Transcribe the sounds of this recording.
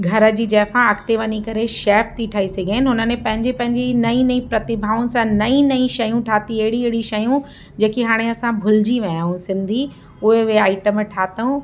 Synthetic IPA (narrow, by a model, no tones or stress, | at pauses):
ɡʱɐɾə̆d͡ʑiːd͡ʑɐːfãɐkʰt̪eʋɐɲikɐɾeʃɛːft̪ʰiʈʰaːisɐɡʱeːnɪ̆ɦʊnənẽpɐ̃ɦɪ̃ɲd͡ʑepɐ̃ɦɪ̃ɲd͡ʑinɐĩnɐĩpɾɐt̪ɪbʱaːʊnɪ̆sãnɐĩnɐĩʃɐjũʈʰaːt̪iɐɦɪɽiɐɦɪɽiʃɐjũ | d͡ʑeːkiɦaːɽ̃eɐsãbʱʊld͡ʑiʋɐ̃ãɦũsɪ̃nd̪ʱi | ʊɦeʋeaːɪʈəmʈʰaːt̪əũ